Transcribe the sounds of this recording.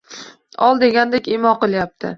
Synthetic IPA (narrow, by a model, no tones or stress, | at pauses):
ɒlˠd̪e̞ɡʲand̪ekʲemɒqɨlˠjap̚t̪ʰɪ